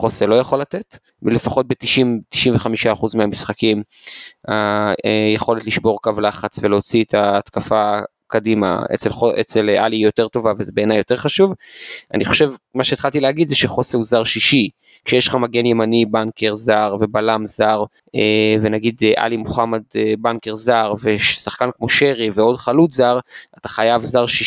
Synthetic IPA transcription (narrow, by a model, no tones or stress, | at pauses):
χoselo̞jaχo̞latet | le̞faχo̞t̪̚bet̪iʃimti̥ʃinveχamiʃaːχuzmeamisχakim | aejeχo̞letliʃbo̞ʁkavlaχat͡sveleot͡siet̪ʰaːt̪kafa | kadima̰ḛt͡selχoʔet͡selʔalijo̞te̞ʁto̞vavezebe̞ːnajo̞te̞ʁχaʃuvʔa̰niχo̞̥ʃevmaʃeːt̪χalt̪ileaɡid̪zeʃeχo̞seuzaʁʃiʃi | kʃejeʃlχamaɡenjemanibankeʁzaʁvebalamzaʁ | evenaɡid̪ʔa̰limoχamadbankeʁzaʁveʃsaχkankmo̞ʃeʁiveo̞dχalutzaʁatḁχajavzaʁʃi